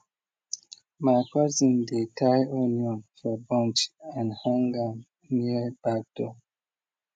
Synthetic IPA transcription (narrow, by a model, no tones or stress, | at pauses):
makazĩndetʰajoniɔ̃nfɔbɔ̃nt͡ʃãnhãŋɡa | niəb̥ak̚d̥ɔ